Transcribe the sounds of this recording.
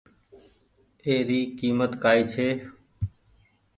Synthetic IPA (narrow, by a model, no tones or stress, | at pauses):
eːɾiːkiːmət̪kaːiːt͡ʃʰeː